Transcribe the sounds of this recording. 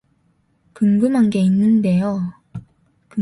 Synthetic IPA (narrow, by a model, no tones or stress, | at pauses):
kɯŋɡɯmɦanɡe̞inːɯnde̞jo | kɯ